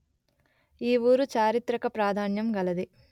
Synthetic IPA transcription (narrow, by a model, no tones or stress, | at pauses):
iːʋuːɾut͡ʃaːɾit̪ɾɐkɐpɾaːd̪ʱaːnjɐmɡɐlɐd̪i